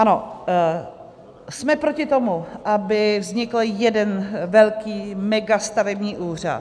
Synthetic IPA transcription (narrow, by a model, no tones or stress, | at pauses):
ʔano | smɛpɾo̞cɪt̪o̞muʔabɪvzɲɪkl̩jɛdɛnvɛlkiːmɛɡast̪avɛbɲiːʔuːr̝a̰t